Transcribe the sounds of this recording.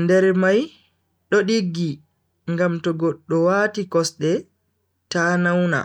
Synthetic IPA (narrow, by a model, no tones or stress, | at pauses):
ndɛɾmaj | ɗɔɗiɡːi | ŋɡamtɔɡɔɗːɔwaːtikɔsɗɛ | taːnawna̰